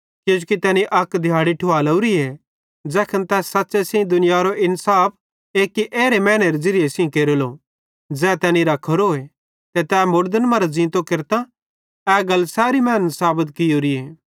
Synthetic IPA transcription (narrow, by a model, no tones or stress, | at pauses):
kod͡ʒukit̪ɛːnĩʔɐkd̪ʱjaːɽiʈʰʊaːlɐuɾiɛ | d͡ʒɛːkʰənt̪ɛːɐtːsesɪ̃ĩd̪ʊnɪjaːɾoʔɪnsaːp̚ʰ | eːkːiʔeːɾemɛːñeɾezɪɾɪjesɪ̃keːɾolo | d͡zɛːt̪ɛːnĩɾɐkʰːoɾoːe | t̪ɛt̪ɛːmʊɾd̪ənmɐɾazĩːnt̪okeɾt̪a | ɛːɡɐlːsaːɾimɛːnsaːbət̪kɪjoːɾieː